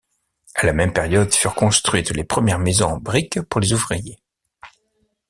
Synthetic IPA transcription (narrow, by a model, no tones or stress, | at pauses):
alamɛmpɛʁjɔd̪fyʁkɔ̃st̪χɥit̪lepχəmjɛʁmezɔ̃ɑ̃bʁikpuʁlezuvʁije